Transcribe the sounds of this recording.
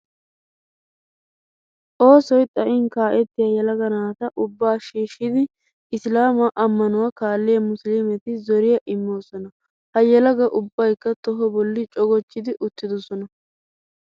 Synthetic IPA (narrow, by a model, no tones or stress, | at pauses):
ʔo̞ːsɔjt̪ʼɐʔɪnkaːʔɛt̪ːɪjɐjɛlɐɡɐnaːt̪ɐʔʊbːaːʃiːʃːɪd̪ɪ | ɪslaːmɐʔɐmːɐnʊwɐkaːlːɪjɐmʊslɪmɛt̪ɪzɔɾɪjɐʔɪmːo̞ːsɔnɐ | hɐjɛlɐɡɐʔʊbːɐjkːɐt̪ɔɦɔbɔlːɪt͡ʃʼɔɡɔt͡ʃːɪd̪ɪʔʊt̪ːɪd̪ɔsɔnɐ